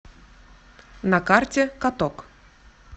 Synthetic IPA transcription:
nakartʲekat̪ok

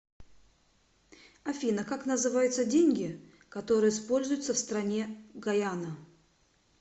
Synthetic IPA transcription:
ɐfʲinəkaknəzɨvajʊt̪sədʲenʲɡʲɪ | kɐt̪o̞ɾɨjəspo̞lʲzʊjʊt̪səfst̪ɾɐnʲeɡɐjanə

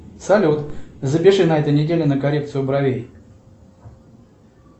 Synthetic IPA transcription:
sɐlʲut̪zəpʲɪʂɨnɐɛt̪əjnʲɪdʲelʲɪnəkɐɾʲe̞k̚t̪sɨjʊbɾɐvʲej

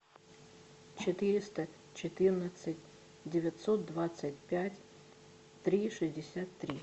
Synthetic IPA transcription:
t͡ɕɪt̪ɪɾʲɪst̪ɐ | t͡ɕɪt̪ɪrnət̪sʲətʲ | dʲɪvʲɐt̪sɔt̪̚d̪ʋat̪sətʲpʲatʲ | t̪ɾʲiʂɨzʲdʲɪsʲat̪ːɾʲi

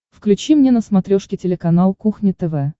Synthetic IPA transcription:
fklʲʉt͡ɕimnʲenəsmɐt̪ɾʲoʂkʲɪtʲɪlʲɪkɐnalˠkuxnʲɪt̪ɛvɛ

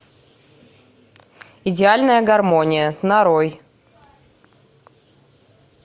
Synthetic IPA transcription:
ɪdʲɪalʲnəjəɡɐrmonʲɪjənɐɾoj

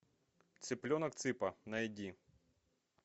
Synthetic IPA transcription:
t̪sɪplʲɔnɐk̚t̪sɪpɐnɐidʲi

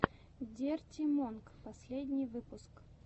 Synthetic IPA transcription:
dʲertʲɪmonkpɐsʲlʲedʲnʲɪjvɨpʊsk

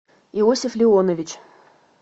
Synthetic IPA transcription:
iosʲɪflʲɪonəvʲɪt͡ɕ

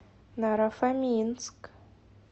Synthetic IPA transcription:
naɾafamʲinsk

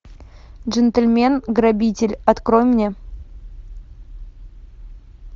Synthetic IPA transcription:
dʐənt̪elʲmʲenɡrabʲitʲɪlʲɐt̪kro̞jmnʲe̞

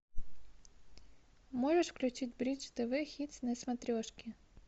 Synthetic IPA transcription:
mɔʐeʂfklʲʊt͡ʃɪtʲbɾʲit͡ʃt̪ɛʋɪxʲit̪ʲsʲnɛsmɐt̪ɾʲɔʃkʲi

